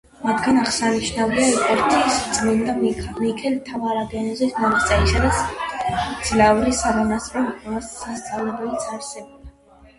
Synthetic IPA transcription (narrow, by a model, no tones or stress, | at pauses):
mat̪ʰɡanaʁsaniʃnaviaɛpʼɔɾt̪ʰʼiːsd̪zlind̪amikʰɛlt̪ʰavaɾaɡɛnɔzɛsmanat̪sʼɛnisad̪as | d̪z̥lauɾisaɾɔnast̪ʼɾɔip̪ʼɛvasːast̪sʼavlɛbɛlit̪sʰaɾsɛbɔba